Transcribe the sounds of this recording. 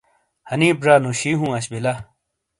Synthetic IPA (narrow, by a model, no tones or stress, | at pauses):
hɐniːbɾaːnoɕiːɦũːɐɕbila